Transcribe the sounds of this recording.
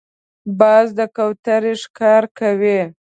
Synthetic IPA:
bɑzd̪əkawt̪aɾiʂkɑɾkawi

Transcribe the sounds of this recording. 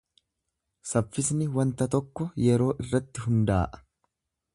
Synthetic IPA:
sɐfːɪsnɪwɐnt̪ɐt̪ɔkːɔjɛɾo̞ːʔɪrːɐt̪ːɪɦʊnd̪a̰ːʔɐ̥

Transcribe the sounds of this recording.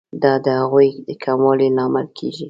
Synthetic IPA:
d̪ɑd̪əhaɣujd̪əkʰamwɑlinɑmalkʰeʒi

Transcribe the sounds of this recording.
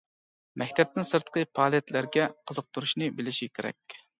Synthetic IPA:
mɛk̚ʲt̪ʰɛp̚t̪ɪŋsɨɾt̪qəpʰɑːlˠɛt̪læɾɡʲɛqʰəzəq̚t̪ʰuɾuʃnɨbɪlɪʃikʲʰeɾɛ̰kʲ

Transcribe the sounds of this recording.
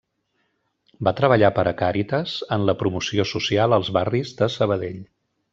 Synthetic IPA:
bat̪ɾəβ̞əʎapəɾʔəkaɾit̪əzənləpɾumusiosusialˠəlˠzβarizðəsəβ̞əðeʎ

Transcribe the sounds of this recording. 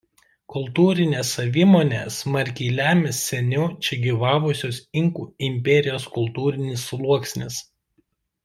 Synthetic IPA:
kʊlˠt̪uːɾʲɪnʲeːsɐʋʲiːmoːnʲḛːsmɐɾʲkʲɛɪlʲæːmʲɪsːʲɛnʲʊt͡ʃʲɛɡʲiːʋɑːʋʊsʲoːsɪŋkuːɪmʲpʲɛɾʲɪjoːskʊlˠˑt̪uːɾʲɪnʲɪslˠuɔksʲnʲɪs

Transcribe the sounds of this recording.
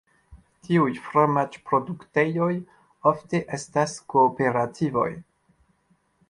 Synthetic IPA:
tiujfɾomat͡ʃpɾo̞dukte̞jo̞j | ofteʔe̞staskoːpe̞ɾatʰivo̞̰j

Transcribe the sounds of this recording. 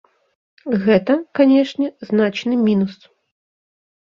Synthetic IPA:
ɣɛt̪ɐkanʲɛʂnʲɛznat͡ʂnɨmʲinus

